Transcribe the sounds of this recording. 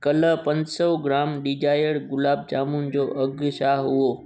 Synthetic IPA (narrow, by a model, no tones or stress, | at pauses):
kɐləpɐ̃ɲd͡ʑsɔɡɾaːmɗid͡ʑaːjəɽɡʊlaːb̚t͡ɕaːmʊnɪ̆d͡ʑoːʔɐɡʃaːɦɦuoː